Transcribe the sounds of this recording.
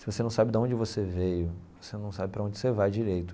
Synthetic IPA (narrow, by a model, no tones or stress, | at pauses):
sɪvosenɐ̃w̃sabɪd̪aõnd͡ʒɪvosevejʊvosenɐ̃w̃sabɪpɾɐõd͡ʒɪsevajd͡ʒiɾejt̪ʊ̥